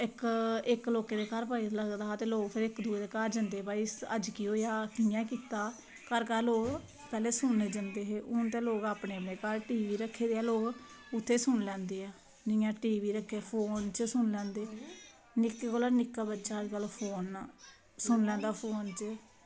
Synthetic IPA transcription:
ɪkɪkloːkeːd̪eːkaːɾpaːiləɡd̪aːt̪eːloːɡpʰɪɾɪkd̪uːd̪eːkaːɾd͡ʒənd̪eːbaːisə̰d͡ʒkiɦoːjaːkɪjãːkiːt̪aː | kəɾkaːɾloːɡ | pɛːleːsʊɳeːd͡ʒənd̪eːɦeːʔʊnt̪ẽːloːɡaːpɳeːəpɳeːkaːlʈiːʋiːɾəkʰːeːd̪eːɛːloːɡʊt̪ʰːeːsʊɳlɛ̃ːnd̪eːaː | nɪjãːʈiːʋiːɾəkʰːeːpʰoːnt͡ʃsʊɳlɛ̃ːnd̪eː | nɪkːekoːlaːnɪkːaːbətːʃaːəd͡ʒkəlpʰoːn | sʊnlɛ̃ːnd̪aːpʰoːnt͡ʃə

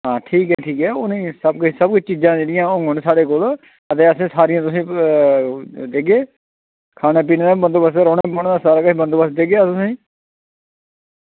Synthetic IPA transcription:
ɦãːʈʰiːkɦɛːʈʰiːkɛːʊnĩːsəbksəbkʊt͡ʃʰt͡ʃiːzãːd͡ʒeːɽɪjãːʊ̃ŋɡʊnsaːɽeːkoːl | ət̪eːəsẽːsaːɾɪjãːt̪ʊsĩː | d̪eːɡeː | kʰaːneːp̬iːneːd̪aːbənd̪oːbəsɾɔːneːbəɳːd̪aːsaːɾaːkʊːbənd̪oːbəsd̪eːɡeaʊsĩː

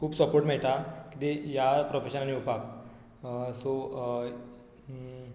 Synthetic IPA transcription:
kʰuːpsəpoɾʈmɛɭt̪akit̪ejapɾofeɕənaniupak | so

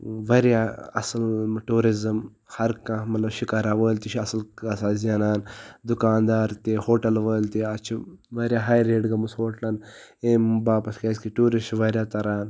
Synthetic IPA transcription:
ʋɐɾjaːɐ̰sɐlʈuːɾizɐm | hɐɾkãmɐt̪lɐbʃikaːɾaːʋəːlt̪iʃʰiɐsɐlasaːzijaːnaːnd̪ukaːnd̪aːɾt̪eːhoːʈɐlʋəːlt̪iɐt͡ʃʰiʋɐɾʲjaːɦaːjɾeːɖɡɐmusɦoːʈlɐneːmbaːpɐskɐːskiʈuːɾist͡ʃʋɐːɾʲjaːt̪ɐɾaːn

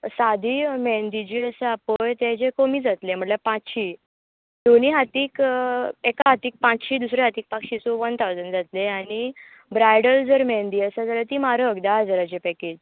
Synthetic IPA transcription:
sad̪ʱiːmɛnd̪id͡ʑiːəsəapojt̪ẽd͡ʑekomiːd͡zat̪lem̤əɳljapãt͡sɕiː | d̪oniːɦat̪iːkekaɦat̪iːk̚pãt͡sɕiːd̪usɾeɦat̪iːk̚pakɕisɔʋənt̪ʰawd͡zənd͡zat̪leaɽ̃i | bɾajɽəld͡zəɾmɛ̃nd̪iːəsad͡zalət̪iːmaɾəkd̪aad͡zəɾat͡ɕepɛkeːd͡ʑ

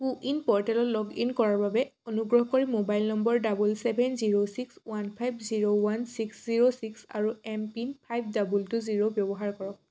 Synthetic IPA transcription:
kuʔinpɔɹtɛlɔtlɔɡinkɔɹaɹbabɛonuɡɹɔɦkɔɹimobajlnɔmbɔɹdabulsɛbʱɛnziɹosikswanpʰajbziɹowansiksziɹosiksa̰ɹuɛmpinpʰajb̚ʰʱdabultʊziɹobjɔbɔɦaɹkɔɹɔk

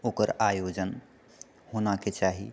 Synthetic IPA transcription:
oːkəɾajoːd͡ʒən | honaket͡ʃaːɦi

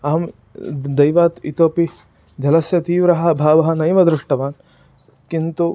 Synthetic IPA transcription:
ɐːɐm | d̪ɐjʋaːt̪it̪oːpi | d͡ʒɐlɐsjɐt̪iːʋɾɐɦɐ̆bʱaːʋɐɦɐ̆nɐjmɐd̪ɾɪʂʈɐʋaːn | kint̪u

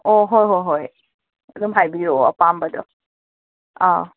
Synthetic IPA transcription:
oɦojɦojɦoj | ɐdumɦajbijoɐ̰pambadɔ̰ | a

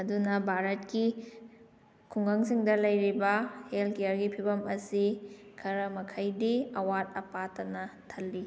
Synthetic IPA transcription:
ɐdunɐbʱaɾɐt̚ki | kʰuŋɡɐŋsiŋdɐlɐjɾibɐhelkejɐɾɡipʰibɐmɐsikʰɐɾɐmɐkʰɐjdiɐwatɐpatɐnɐtʰɐlːi

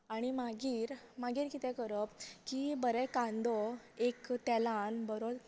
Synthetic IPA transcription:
aɽ̃imaɡiːɾmaɡiːɾkit̪ɛ̃kəɾəpkibəɾɛkãnd̪ɔ | ekt̪ɛlanbəɾot͡s

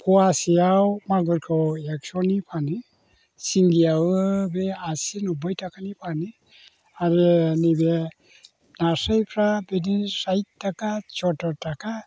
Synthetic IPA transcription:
pʰɔasijawmaɡɯɾkʰɯwek̚sɔnipʰani | siŋɡijawɯbeasinɔbɔjtʰakʰanipʰani | aɾɯnibe | nasajpʰɾabedisajtːakat͡ʃɔtɔɾtaka

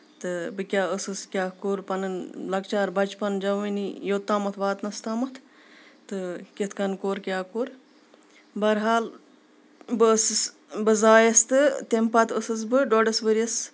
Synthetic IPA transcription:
t̪ɨbɨkʲaːɨsɨskʲaːkoːɾpɐnɨnlɐkt͡ʃaːɾbɐt͡ʃpɐnd͡ʒɐʋɨnijoːt̪aːmɐt̪ʰʋaːt̪nɐst̪aːmɐt̪ʰ | t̪ɨkʲet̪ʰkɐnkoːɾkʲjaːkoːɾ | bɐɾɦaːl | bɨsɨs | bɨzaːjɐst̪ɨt̪empat̪ɨsɨs̬bɨɖoɖɐsʋɨɾɐs

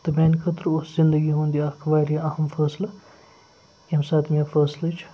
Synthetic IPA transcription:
t̪ɐbʲeːnkʰɐt̪ɾoːszɪnd̪əɡiɦõːnd̪iaːkʰʋaːɾijɐɐɦɐmfɐːslɐ | jemsaːt̪ʰmifɐːslɐt͡ʃʰ

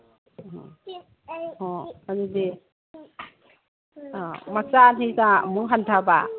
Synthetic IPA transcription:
ɔ̰ | ɔanidi | mat͡ʃanisamuŋɦantʰaba̰

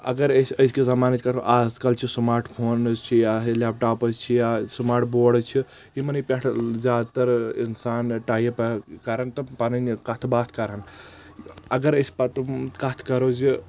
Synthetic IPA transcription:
ɐ̰ɡɐɾəsəjskezɐmaːnɐt͡ʃ̪ʰʲkɐɾoʔaːzkɐlt͡ʃʰismaːɾʈpʰoːnt͡ʃʰijaslaːp̚ʈaːpət͡ʃʰijasmaːɾʈboːɽt͡ʃʰi | imɐnɐjpʲeʈʰzʲjaːd̪t̪ɐɾinsaːnʈaːjpɐkɐɾənt̪ɐpaninkɐt̪ʰbaːt̪ʰkɐɾən | ɐɡɐɾəspɐt̪umkɐt̪ʰkɐɾozi

